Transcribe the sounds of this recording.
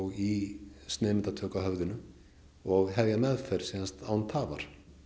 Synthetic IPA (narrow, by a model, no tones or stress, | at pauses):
wist̪nɛːmɪnt̪at̪ʰœːkaɦœvðʏnʏ | ɔɣɦɛvjamɛðfɛɾ̥siːðanst̪awnt̪ʰaːvaɾ̥